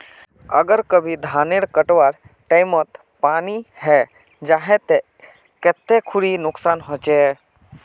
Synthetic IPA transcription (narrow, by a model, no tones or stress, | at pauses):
ə̰ɡəɾkəbʱid̪ʱaːneɽkəʈwaɾ | ʈaɪmɔt̪ | paːniɦɛ | d͡ʒaɦɛ̃t̪e | kɛt̪ːekʰʊɽinʊksaːnɦot͡ʃɛ